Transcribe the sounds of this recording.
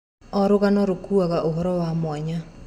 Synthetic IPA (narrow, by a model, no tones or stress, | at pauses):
ɔɾoɣanɔɾokuaɣaʔoɦɔɾɔwamwaɲa